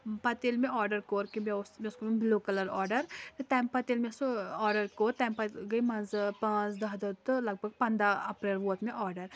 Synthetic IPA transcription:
pɐt̪elmẽɔːɾɖɐɾkoːɾkimesmʲeskomʲembloːkɐlɐɾɔːɾɖɐɾt̪ajmpɐt̪elmesoɔːɾɖɐɾkoːɾt̪ɐjmpɐɡɐjmɐnzpãːt͡ʃd̪ɐɦd̪ɐt̪ɨlɐɡ̚bʱɐɡ̚pɐ̃nd̪ɾaɐpɾeːlʋoːt̪ʰmẽʔɔːɾɖɐɾ

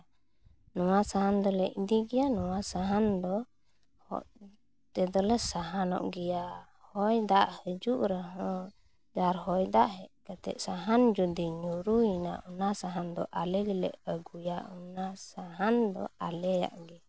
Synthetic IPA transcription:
nɔwasaɦand̪ɔləʔ̚d̪iɡɛjanɔwasaɦand̪ɔ | hɔ̰ʔ | t̪ɛd̪ɔlɛsaɦanɔ̰ʔɡɛja | hɔjd̪aʔhəd͡ʒuʔɾəɦə̃ | d͡ʒaɾɦɔjd̪aʔɦɛʔkat̪ɛ̰ʔsaɦand͡ʒud̪iɲuɾuina̰ʔunasaɦand̪ɔʔalɛɡilɛ̰ʔəɡujaunasaɦand̪ɔ̰alɛja̰ʔɡɛ

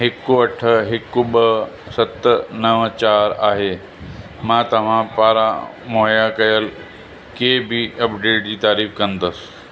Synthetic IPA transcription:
ɦekːuəʈʰəɦekːubə | sət̪ːnəʋət͡ɕaɾaɦe | mãt̪ɐʋ̤ãpaːɾa | moɦjakɐjəl | kebʱiəpɖeːʈ̚d͡ʑiːt̪aːɾiːfkə̃nt̪əs

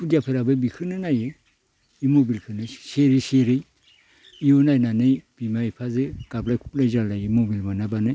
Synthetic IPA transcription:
kudijapʰɯɾabɯbikʰɯnɯnajɯ | imobilkʰɯnɯseɾeseɾɯj | ijonajnanɯjb̥imaipʰazɯɡ̥ablajkʰup̚lajzalajɯmobilmanabanɯ

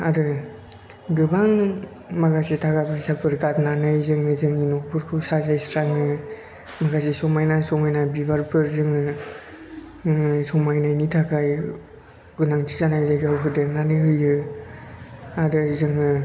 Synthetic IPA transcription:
aɾɯ | ɡɯbaŋ | maɡasitʰakajbasapʰɯɾɡatnanɯjzɯŋɯzɯŋinɔkpʰɯɾkʰɯwsazajsɾaŋɯ | maɡasisɔmajnasɔmajnabibaɾpʰɯɾzɯŋɯ | sɔmajnajnitʰakaj | ɡunaŋtʰi̥zanajzajɡawkʰɯdenanɯɯjɯ | aɾɯzɯŋɯ

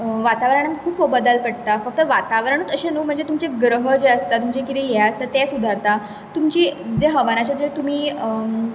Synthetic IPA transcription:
ʋat̪aʋɾaɳ̃ənkʰuːpʋəbəd̪əlpəɽt̪afək̚t̪əʋat̪aʋɾəɳ̃ət̪əɕẽnuːm̤əɳd͡zet̪umt͡seɡɾəɦəd͡zeəst̪at̪umt͡ɕekit̪ijɛaəsət̪ɛsud̪ʱaɾt̪a | t̪umt͡ɕiːd͡zeɦəʋanat͡ɕad͡zet̪um̤iː

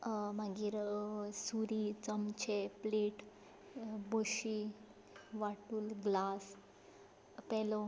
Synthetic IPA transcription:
maɡiːɾsuɾit͡səmt͡ɕepleːʈ | boɕi | ʋaʈuːlɡlas | pɛlo

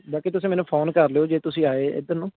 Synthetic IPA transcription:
baːkiːt̪ʊsĩːmɛːnũːpʰoːnkəɾleːoːd͡ʒeːt̪ʊsĩːaːeːɪ̰d̪ənũː

